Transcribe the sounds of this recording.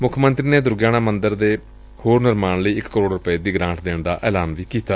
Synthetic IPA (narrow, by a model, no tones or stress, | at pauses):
mʊkʰmənt̪ɾiːneːd̪ʊɾɡjaːñaːmənd̪əɾd̪eː | hoːɾnɪɾmaːɳləiːɪkːəɾoːɽɾʊpeːd̪iːɡɾãːɳʈd̪eːɳd̪a̰ːʔɛːlaːnʋiːkiːt̪aː